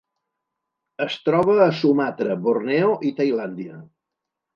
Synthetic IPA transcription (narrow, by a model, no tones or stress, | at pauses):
əst̪ɾɔβəːsumat̪ɾəβornɛoʔit̪əjland̪iə